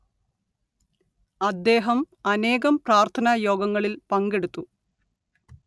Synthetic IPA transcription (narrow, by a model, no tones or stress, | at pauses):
ɐd̪ːe̞ːɦɐm | ɐneːɣɐmpraːrt̪ʰɐnɐjo̞ːɡɐŋːɐɭilpɐŋɡe̞ɽut̪ːu